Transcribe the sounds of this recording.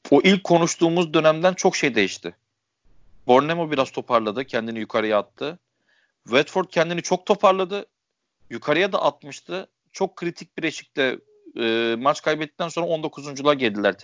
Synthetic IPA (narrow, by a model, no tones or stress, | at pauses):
oʔilʲc̚ʰːo̞nuʃt̪ʰuːmuzd̪ø̞næmd̪ænt͡ʃʰo̞kʃe̞jd̪e̞jiʃt̪ʰɪ | bo̞ɾnemo̞biɾaz̥t̪ʰo̞pʰaɾlˠad̪ɯcʰɛnd̪inijukʰaɾɯjaːt̪ʰːɯ | vɛt̪fo̞ɾd̪̚cʰɛnd̪init͡ʃʰo̞k̚t̪ʰo̞pʰaɾlˠad̪ɯ | jukʰaɾɯjad̪a̰ʔat̪̚mɯʃt̪ʰɯ | t͡ʃʰo̞kʰːɾit̪ʰic̚biɾeʃi̥c̚t̪ɛː | mat͡ʃkʰajbɛt̪ːi̥t̪ʰːænso̞nɾao̞nd̪o̞kʰuzund͡ʒulˠaɾɟɛlʲd̪ilʲæɾʰ